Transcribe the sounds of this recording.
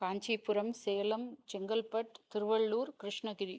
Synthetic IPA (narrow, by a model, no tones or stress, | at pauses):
kaːɲt͡ʃipːʊɾɐmsɛjɐlɐmt͡ʃɛŋɡɐlpɐʈ̚t̪ɪɾɯʋɐɭːuːɾkɾɪʂɳɐɡɪɾi